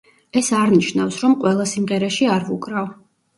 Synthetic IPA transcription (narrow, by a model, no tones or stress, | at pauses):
ɛsaɾniʃnafsɾɔmqʼwɛlˠasimʁɛɾɛʃiaɾvukʼɾav